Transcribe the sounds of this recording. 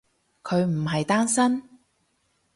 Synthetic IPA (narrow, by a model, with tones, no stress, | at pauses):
kʰɵ˨˧ɥm̩˨˩ɦɐ˨jt̪aː˥nsɐ˥n